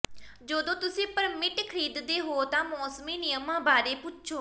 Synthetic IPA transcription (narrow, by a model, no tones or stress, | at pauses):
d͡ʒoːd̪õːt̪ʊsĩːpəɾmɪʈkʰəɾiːd̪d̪eːɦoːt̪ãːmɔːsmiːnɪjəmãːbaːɾeːpʊtt͡ʃʰoː